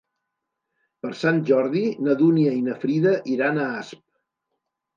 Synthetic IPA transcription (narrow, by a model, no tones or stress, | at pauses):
pəɾsanʲʒɔɾðinəðuniəinəfɾiðəʔiɾanəasp̚